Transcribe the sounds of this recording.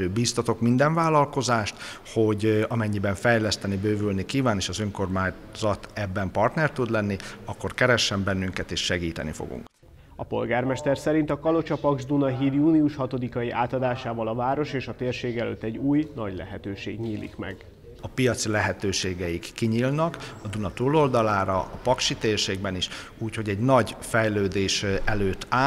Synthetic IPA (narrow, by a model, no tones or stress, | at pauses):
biːst̪ɒt̪o̞kmind̪ɛɱvaːlːɒlko̞zaːʃt̪ho̞ɟɒmɛɲːibɛɱfɛjlɛst̪ɛnibøːvylnikiːvaːneːʃɒzøŋko̞rmaːɲ | zɒt̪ɛbːɛmpɒrt̪nɛrt̪ud̪lɛnːiɒkːo̞rkɛɾɛʃːɛmbɛnːyŋkɛt̪eːʃʃɛɡiːt̪ɛ̰nḭfo̰ɡṵŋk | ɒpo̞̰lɡaːrmɛʃt̪ɛrsɛɾint̪ɒkɒlo̞t͡ʃɒpɒɡʒd̪unɒɦiːd̪juːniuʃhɒt̪o̞d̪ikɒjiʔaːt̪ɒd̪aːʃaːvɒlɒvaːɾo̞ʃeːʃɒt̪eːrʃeːɡɛlø̰ːt̪ːɛɟuːjnɒɟlɛ̰ɦɛt̪øːʃḛːɡɲiːlʔḭkmɛ̰ɡ | ɒpijɒt̪silɛɦɛt̪øːʃeːɡɛjikːiɲiːlnɒkɒd̪unɒt̪ulo̞ld̪ɒlaːɾɒɒpɒkʃit̪eːrʃeːɡ̚bɛniʃ | uːcho̞ɟɛɟnɒɟfɛjløːd̪eːʃɛløːt̪ːaː